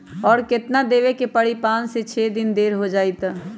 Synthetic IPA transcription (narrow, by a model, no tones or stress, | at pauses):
ɔːɾkɪt̪nad̪eːʋekepəɽ̤ipãːnset͡ʃʰeːd̪ɪnd̪eːɾɦod͡ʒaːit̪